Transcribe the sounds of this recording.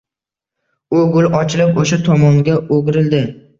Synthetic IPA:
ʊɡʊlɒt͡ʃʰɪlɪpoʃat̪ʰɒmɒŋɡʲaoɡʲɾɪld̪ɪ

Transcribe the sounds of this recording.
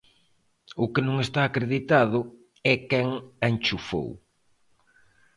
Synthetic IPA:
ʊkɪnũŋest̪aːkɾeðit̪aðʊ | ɛkɛŋant͡ʃufo̰w

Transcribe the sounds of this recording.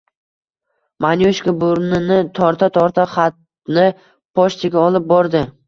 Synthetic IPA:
manjoʃkʲabʊɾnɪnɪt̪ʰɒɾt̪ʰat̪ʰɒɾt̪ʰaχat̪ | nɪ | pʰɒʃt̪ʰaɡʲaɒlˠɪp̚bɒɾd̪ɪ

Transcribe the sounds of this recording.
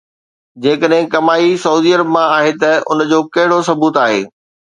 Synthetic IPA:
d͡ʑeːkəɗɦɪ̃kɐmaːisɐɦuːd̪iːəɾəbmãaːɦet̪ɐʊ̰nd͡ʑoːkɐɦɪɽosɐbuːt̪aːɦḛː

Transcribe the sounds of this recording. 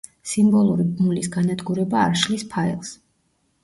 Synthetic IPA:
simbɔlˠuɾibmulisɡanad̪ɡuɾɛbaːɾʃlispʰaɛlˠs

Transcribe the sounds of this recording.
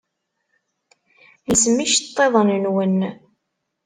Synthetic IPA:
əsmiʃt̪ˤːeðˤənnwən

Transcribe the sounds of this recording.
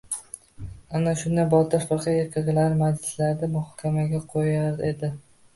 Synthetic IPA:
anaʃʊnd̪ajbɒt̪ʰɪʃfɑqʰɑekʲʰaɡɪlaɾmad͡ʒɪslaɾd̪amʊhɒkʲʰamaɡʲaqʰojaɾed̪ɪ

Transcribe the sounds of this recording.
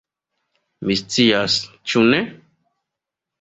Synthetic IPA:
mist͡sias | t͡ʃune

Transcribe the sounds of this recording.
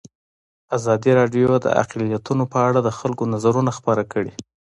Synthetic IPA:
azɑd̪iɾɑɖjod̪ə̰a̰qlijat̪unopəaɽad̪əxalkonazaɾunaxpəɾakəɽi

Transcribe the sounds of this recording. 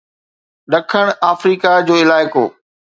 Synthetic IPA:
ɗɐkʰəɽ̃aːfɾiːkad͡ʑoːɪlaːɪko̰ː

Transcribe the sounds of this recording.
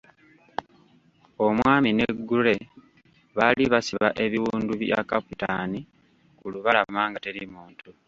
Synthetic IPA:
omwaːmine̞ɡːule̞ | βaliβasiβa̰ʔe̞βiwuːnduβja̰kaputani | kuluβalamaːŋɡate̞ɾimuːntu

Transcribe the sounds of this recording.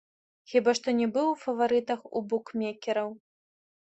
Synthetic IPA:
xʲibaʂt̪ɔnʲɛbɨwfɐvaɾɨt̪ɐxṵbukmʲɛkʲɛɾɐw

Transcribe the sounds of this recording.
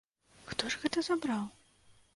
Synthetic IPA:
xt̪ɔʐɣɛt̪ɐzabɾaw

